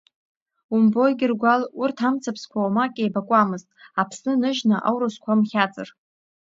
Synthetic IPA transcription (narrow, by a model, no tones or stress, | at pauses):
umbo̞jɡʲɪrɡʷalurtʰamt͡sʰapʰskʷʰawmakʲʼejbakʷʼamɨztʼapʰsnɨnɨʒnaʔa̰wɾaskʷʰamχʲat͡sʼɨ̰r